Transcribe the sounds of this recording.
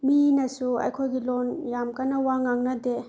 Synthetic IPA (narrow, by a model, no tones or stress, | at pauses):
minɐsuɐ̰jkʰojɡilonjamkɐnɐwaŋaŋnɐde